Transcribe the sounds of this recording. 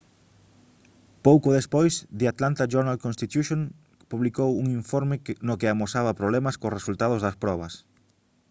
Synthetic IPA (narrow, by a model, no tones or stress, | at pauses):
powkoðespojsd̪ɪat̪lant̪aʒoɾnalkõnst̪it̪juʃoŋ | puβlikowuŋiɱfoɾmɪnʊkɪamosaβɐpɾoβlɛmɐskosresult̪aðʊzðɐspɾɔβɐs